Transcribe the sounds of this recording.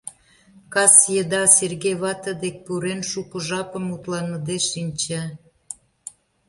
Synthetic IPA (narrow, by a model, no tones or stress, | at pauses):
kɑsjəd̪ɑserɣejβɑt̪əd̪ek̚puɾenʃukə̆ʒɑpə̆mut̪lɑnə̆d̪eʃinʲt͡ɕe